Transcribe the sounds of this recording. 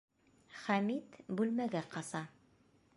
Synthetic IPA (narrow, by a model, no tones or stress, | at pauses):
χæmit̪bʉlmæɡæqɑsɑ